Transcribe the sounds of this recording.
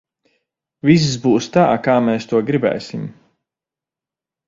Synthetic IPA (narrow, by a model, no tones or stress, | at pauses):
vis̬zbuːst̪aːkaːmɛːst̪uɔɡɾibɛ̰ːsʲim